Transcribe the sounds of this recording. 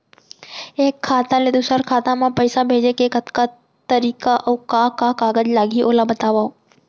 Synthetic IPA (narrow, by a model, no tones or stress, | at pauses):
eːkʰːaːt̪ãled̪ʊsəɾkʰaːt̪ãmãpəjsabʱeːd͡ʒekekət̪ka | t̪əɾiːkaʔokakakaːɡəd͡ʒlaːɡiʔoːlabət̪aːʋao